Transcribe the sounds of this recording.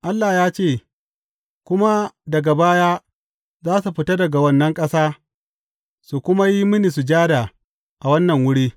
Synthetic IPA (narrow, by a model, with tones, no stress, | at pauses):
ʔa˦lːaː˨jaː˦t͡ʃeː˦˨ | kʷʊ˦ma˦dɐ˨ɡa˨baː˦jaː˦ | zaː˦su˨ɸɪ˦tɐ˦dɐ˨ɡa˨wɐ˦nːɐ˦ŋkʼɐ˦saː˦ | su˨kʷʊ˦ma˦ji˦mɪ˦ni˨s̬u˨d͡ʒaː˦da˨ | ʔa˨wɐ˦nːɐ˨ŋwʊ˦ɽiː˦